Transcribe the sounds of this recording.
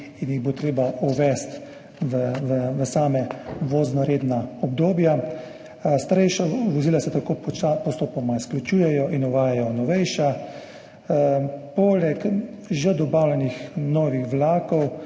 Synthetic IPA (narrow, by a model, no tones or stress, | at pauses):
injiɣbot̪ɾeːbaʔuʋɛst̪ | ʋʋʋəsaːmɛʋoːznɔɾeːd̪naɔb̚d̪oːbja | st̪aɾɛjʃaʋɔziːlasɛt̪akoːpɔst̪oːpɔmaisklʲut͡ʃuːjɛjɔʔinɔʋaːjajɔnɔʋɛjʃa | pɔːlɛk | ʒɛd̪ɔbaːwlʲɛnixnɔːʋixʋlaːkɔw